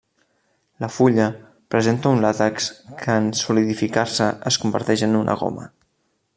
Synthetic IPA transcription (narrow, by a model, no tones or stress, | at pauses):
ləfuʎə | pɾəzent̪əunlat̪əkskʰəːnsuliðifikaɾsəʔəskumbə̰ɾt̪ɛʃənunʔə̰ɣ̞o̰mə̰